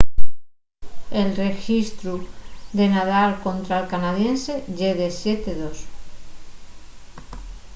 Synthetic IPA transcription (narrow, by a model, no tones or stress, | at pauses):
e̞lre̞xist̪ɾuðe̞nað̞alko̞nt̪ɾalkanað̞je̞nse̞ʝeðesjet̪eðo̞s